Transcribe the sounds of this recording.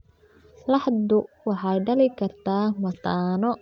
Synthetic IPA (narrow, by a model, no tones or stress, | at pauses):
lɑħd̪ʊwɑħɑjɖɐlɪkʰɐrt̪ʰaːmɐt̪ʰaːnɔ